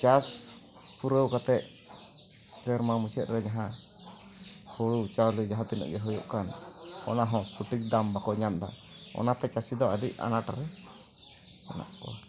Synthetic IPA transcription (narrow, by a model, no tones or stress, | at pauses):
t͡ʃas | puɾəwkat̪ɛʔ̚ | sɛɾmamusɛt̪̚ɾɛd͡ʒaɦã | hoɽut͡ʃawlid͡ʒaɦãt̪inɔ̰ʔɡɛɦɔjɔ̰ʔkanɔnaɦɔ̃suʈik̚d̪ambakɔɲamd̪a̰ | ɔ̰nat̪ɛt͡ʃasid̪ɔadiʔa̰naʈaɾɛ | ɔna̰ʔkɔ̰